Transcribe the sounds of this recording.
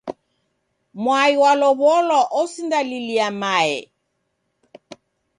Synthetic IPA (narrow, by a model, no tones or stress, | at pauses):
mwaiwalɔβɔlɔʔɔsindaliliamaɛ̰